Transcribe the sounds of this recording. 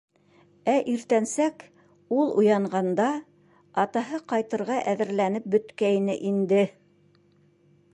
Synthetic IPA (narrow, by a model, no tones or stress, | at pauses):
æʔiɾt̪ænsæk | ulˠṵjɑɴɢɑnd̪ɑ | ɑt̪ɑɦɤqɑjt̪ɤ̆ɾʁɑʔæðɘ̆ɾlænɘp̚bɵ̆t̪kæjnɘ̰ʔind̪ɘ